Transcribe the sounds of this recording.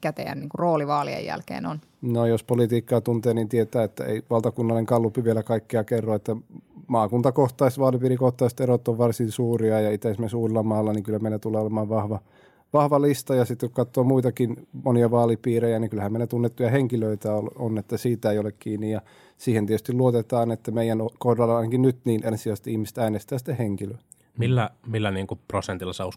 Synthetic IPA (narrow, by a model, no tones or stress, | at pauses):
kæt̪ḛæ̰nniːŋkuroːliʋɑːlḭḛjjæ̰lkḛːnon | nojospolit̪iːkːɑːt̪unt̪eːnint̪iet̪æːet̪ːæ̰ḛiʋɑlt̪ɑkunːɑlneŋkɑlːupiʋielækɑikːeɑkerːoet̪ːæmɑːkunt̪ɑkoht̪ɑist̪ʋɑːlipiːɾikoht̪ɑist̪erot̪ːoʋʋɑrsinsuːriɑjɑit̪æsmensuːrelːɑmɑːlːɑniŋkylːæmeilːæt̪ulːˑeːolemɑːʋʋɑhʋɑ | ʋɑhʋɑlist̪ɑjɑsit̪ːekukkɑt̪ːoːmuit̪ɑkinmoniɑʋɑːlipiːrejæniŋkylhæmeˑilæt̪unːet̪ːujɑheŋkiløit̪æolonet̪ːæsiːt̪æeiolekkiːnːijjɑ | siːhent̪ietyst̪iluot̪et̪ɑːnet̪ːæmeijænokohdɑlːɑɑinɑkinnyt̪niːnensiɑst̪ihmist̪æːnest̪æːst̪ːeheŋkilø | milːæmilːæniːŋkuprosent̪ilːɑseus